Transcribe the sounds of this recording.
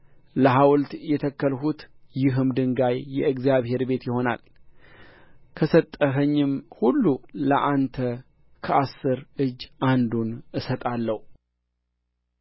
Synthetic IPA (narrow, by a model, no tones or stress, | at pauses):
ləɦawlt̪jɛt̪ʰəkːəlɦut̪jɪɦɨmd̪ɨŋɡajːɛɨɡzjaβhe̞ɾbe̞t̪jɪho̞na̰l | kʰəsət̪ʼːəɦəɲːɪmhulːuləʔant̪ʰə | kʰəʔasːɨɾɨd͡ʒːand̪unɨsət̪ʼalːəhu